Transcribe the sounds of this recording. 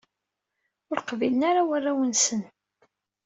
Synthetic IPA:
ʊɾqvilənaɾawarːawənsən

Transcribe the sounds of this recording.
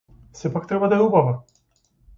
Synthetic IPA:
sɛpak̚t̪ɾɛbad̪aɾubava

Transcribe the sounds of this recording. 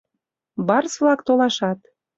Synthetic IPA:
bɑrsβlɑkt̪olɑʃɑt̪̚

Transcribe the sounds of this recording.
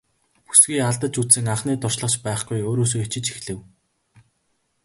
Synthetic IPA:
pu̥sɡiːaɮt̪ə̆t͡ɕut͡ssɘ̆ŋaχniːt̪ʊrʃɮə̆χt͡ɕpæːχɡujoːɾoːs̬oːet͡ɕɪ̆t͡ɕi̥xɮɘ̆w

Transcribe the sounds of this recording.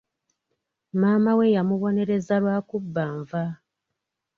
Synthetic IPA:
maːmawe̞jamuβo̞ne̞ɾe̞zalwaːkubːaːɱva

